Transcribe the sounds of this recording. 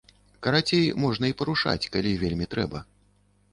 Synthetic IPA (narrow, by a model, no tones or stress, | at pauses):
kɐɾat͡sʲejmɔʐn̪ɐipɐɾuʂa̰t͡sʲkalʲivʲelʲmʲit̪ɾɛ̰bɐ